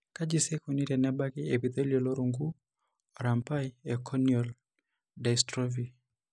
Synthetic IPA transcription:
ka˦d͡ʒi˨sɛ˦ku˨ni˦ɾɛ˨na˦ba˦ki˦e˨pi˨t̪e˦liɔ˨lɔ˦ɾu˨ŋɡu˦ | ɔ˨ɾa˨mpa˦jɛkʰɔ˦njɔl | da˨istɾɔ˦vi˨

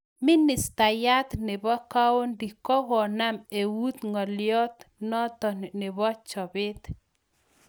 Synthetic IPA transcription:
mi˦nɪ˨st̪a˨ja˦t̪nɪ˨bɔ˦ka˦wo˦ndi˨kɔ˦ɣɔ˨na˦me˨wu˦t̪ŋɔ˨ljɔ˦t̪nɔ˦t̪ɔ˨n˨nɪ˨bɔ˦t͡ʃɔ˨bɪ˦t̪

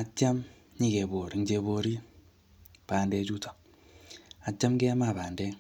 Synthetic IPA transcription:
a˨t͡ʃːa˦m | ɲi˦˨ɡe˨βo˨ɾi˨ŋd͡ʒe˨βo˨ɾi˦ | paː˨nde˨t͡ʃu˦tḁ˨ | a˨t͡ʃːa˦mɡe˦a˦ma˨βaː˨nde˦

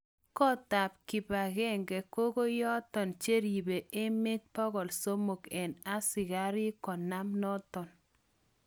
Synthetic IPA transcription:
kɔ˦ta˨p̚kɪ˨pa˨ɡɛ˦˨ŋɡɛ˨ko˦ɡo˦jɔ˦t̪ɔ˨nt͡ʃe˦ɾi˨be˨ʔe˦mɪ˦t̪̚pɔ˦ɡɔ˨lso˦mo˨kɛ˨na˦sɪ˨ɡa˦ɾɪ˦kɔ˨na˦mnɔ˦t̪ɔ˨n

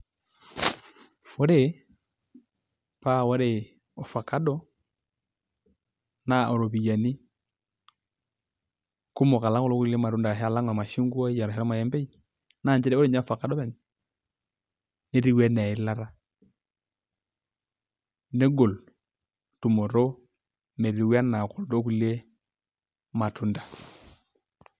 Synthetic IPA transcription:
fo˦ɾe˦˨ | pa˦˨wo˦ɾe˨ | o˨fa˨ka˦dɔ˦ | na˨o˨ɾo˨βi˨ja˨ni˦ | ko˦mo˨ka˨la˦ŋo˦lo˦ku˦i˦le˦ma˨ɾu˦nda˨ɾa˨ɦe˦a˨la˦ŋ˨a˨ma˨ʃi˦ŋɡwɔ˦i˦a˨ɾa˨ɦɛ˦ɔ˦ma˨jɛ˦mbe˦i˦ | na˨nd͡ʒɛ˦ɾɛ˦o˦ɾe˦˨ɲa˦fa˨ka˨ɗɔ˦βɛ˨ɲ | ne˦ɾi˦wɛ˦na˨i˨la˦ɾa˦ | ne˦ɡo˨l | tu˨mo˨ɾo˦ | me˨ɾi˨wa˦na˨ko˨llo˦ku˦le˦ | ma˨tu˨nda˨

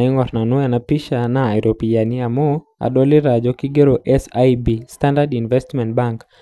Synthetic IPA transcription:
i˦ŋɔ˨ɾna˨nɔ˦a˨na˨pi˦ʃana˨i˨ɾʔopi˨ja˨ni˦a˨mo | a̰ɗɔ˦li˦ɾa˨d͡ʒɔki˦ɡe˦ɾoʔɛsajbistandadinvɛstmɛ˨ntbaŋk

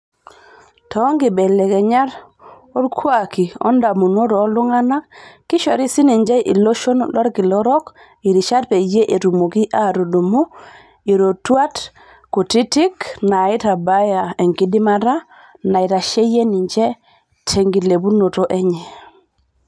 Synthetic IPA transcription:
tʰɔ˨˦ŋɡɪ˨bɛ˨lɛ˨kɛ˨ɲa˦ɾ | o˦ɾkʰwa˨ki˨ɔ̰˦nda˨mu˨no˦ɾɔː˨˦lʊ˦ŋa˦na˦kːɪ˦ʃɔ˨ɾi˦si˦ni˨ɲd͡ʒɛ˦ʔḭ˨lo˦ʃo˦nlwa˦ɾki˨lɔ˦ɾɔ˦k | i˨ɾi˨ʃa˦tpe˨d͡ʒe˦ʔe˨ɾu˨mo˨ki˦ʔa˦˨ɾo˨du˨mu˦ | i˨ɾo˨twa˦t | ku˨ti˦ti˦kna˨ɪ˦ta˨ba˦ja˨ɛ˨ŋki˦di˦ma˦ɾa˦ | na˨ɪ˨ta˨ʃe˦je˦ni˨ɲd͡ʒɛ˦ | tʰɛ˨ŋɡi˨le˨bu˦no˨to˦ʔɛ˦ɲɛ˨

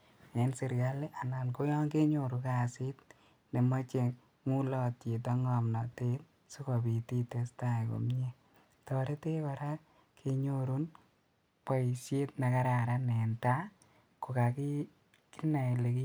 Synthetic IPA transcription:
ɛ˨nse˨ɾɡa˦le˦ʔa˨na˨nko˦jɔ˦ŋke˦ɲo˦˨ɾu˨ka˦˨sɪ˦t̚ | ne˨mɔ˦t͡ʃe˨ | ŋu˦lɔ˦tje˨t̬ɔ˦ŋɔ˨mna˨te˦t | su˦kɔ˨bi˨ti˦te˨sta˦˨ko̰˨m˦e˦ | tɔ˨ɾe˦te˦ba˨ɾa˦ | kʰe˨ɲo˦ɾu˦n | pɔ˦i˨sje˦tna˨ka˦ɾa˨ɾa˦nɛ˨nta˦ | ko˨ka˨ki˦ | ki˦na˨i˨le˨ki˦

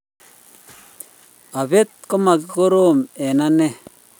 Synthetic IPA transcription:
a˨βe˦t̪̚ko˦ma˨ki˦ko˦ɾo˦mɛ˨na˦nɛ˦˨

